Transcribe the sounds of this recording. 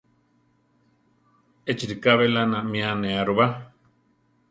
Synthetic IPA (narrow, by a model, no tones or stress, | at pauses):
et͡ʃiɾikaβelanãmĩanẽaɾuβa